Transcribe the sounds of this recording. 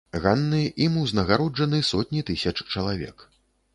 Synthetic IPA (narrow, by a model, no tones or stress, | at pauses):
ɣanːɨʔimuwznɐɣaɾɔd͡ʐɐnɨsɔt̪ʲnʲit̪ɨsʲɐt͡ʂt͡ʂɐlˠavʲɛ̰k